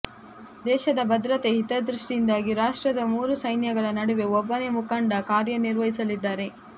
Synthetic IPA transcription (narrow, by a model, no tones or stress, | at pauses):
d̪ɛːʃɐd̪ɐbɐd̪ɾɐt̪e̞ɦit̪ɐd̪ɾuʂʈijind̪aːɡiɾaːʂʈɾɐd̪ɐmuːɾusɐjnjɐɡɐɭɐnɐɽuʋe̞ɔbːɐne̞mukɐɳɖɐkaːɾjɐniɾʋɐɦisɐlid̪ːaːɾe̞